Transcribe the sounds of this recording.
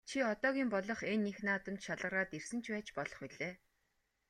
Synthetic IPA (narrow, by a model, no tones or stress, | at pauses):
t͡ɕʰiɔt̪ɔːɣʲiːmpɔɮɞ̆χenːixnaːt̪ə̆mt͡ɕʃaɮʁə̆ɾaːt̪ersɘ̆nt͡ɕʰpæːt͡ɕpɔɮɞ̆χiɮeː